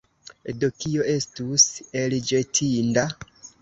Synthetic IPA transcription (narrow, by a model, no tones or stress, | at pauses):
dokio̞e̞stuseld͡ʒetʰinda